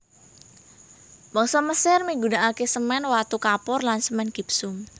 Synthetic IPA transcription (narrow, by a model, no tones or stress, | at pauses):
bɔŋsɔməsɪrmiɡunaʔakesəmɛnwat̪ukapɔrlansəmɛnɡ̥i̤psʊm